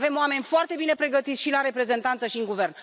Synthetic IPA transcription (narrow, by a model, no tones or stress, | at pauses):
ve̞moame̞nʲfoart̪e̞bine̞pɾe̞ɡət̪it̪sʃilaɾe̞pɾe̞ze̞nt̪ant̪səʃiɨŋɡuve̞rn